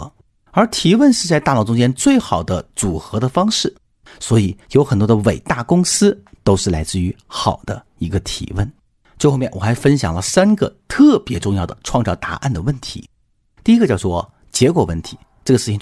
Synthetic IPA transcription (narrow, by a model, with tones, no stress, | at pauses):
ə˞˧˥t̪ʰi˧˥wə˥˧nʂɻ̩˥˧t͡sa˥˧ɪt̪a˥˧lʊʈ͡ʂʊ˥ŋt͡ɕjɛ˥nt͡swe˥˩ɪxɑ˨˩ʊd̪ə˦t͡su˨˩xɤ˧˥d̪ə˧fɑ˥ŋʂɻ̩˥˩ | swɔ˧˥i˨˩jo˧˥ʊxə˨˩nt̪wɔ˥d̪ə˧we˨˩ɪt̪a˥˩kʊ˥ŋsɹ̩˥ | t̪o˥ʊʂɻ̩˥˩la˧˥ɪt͡sɹ̩˥˩y˧˥xɑ˨˩ʊd̪ə˦ | i˧˥ɡə˧t̪ʰḭ˧˥wə˥˩n | t͡ɕxo˥˧mɛ˥˩nwɔ˨˩xa˧˥ɪfə˥nɕjɑ˨˩ŋlə˦sa˥nɡə̰˧t̪ʰɤ˥˩pjɛ˧˥ʈ͡ʂʊ˥˧ŋjɑ˥˩ʊd̪ə̰˩ʈ͡ʂʰwɑ˥˧ŋʈ͡ʂɑ˥˩ʊt̪a̰˧˥ʔa̰˥˩nd̪ə˩wə˥˩nt̪ʰḭ˧˥ | t̪i˥˩i˥ɡə˧jɑ˥˧ʊt͡swɔ˥˧˩ | t͡ɕjɛ˧˥kwɔ˨˩wə˥˩nt̪ʰi̥˧˥ | ʈ͡ʂɤ˥˩ɡə˩ʂɻ̩˥˩t͡ɕʰi˨˩